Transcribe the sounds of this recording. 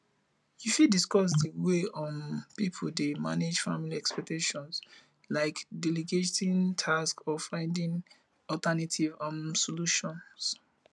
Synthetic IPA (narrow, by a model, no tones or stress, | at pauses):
jifidiskɔs̬dəweʔɔ̃npipʰodema̰ned͡ʒfa̰miliɛkspɛk̚teʃɔ̃ns | laɪkdɛliɡetʰĩntʰaskɔfãɪ̃ndĩŋ | ɔltanatʰivãnsɔluʃɔ̃ns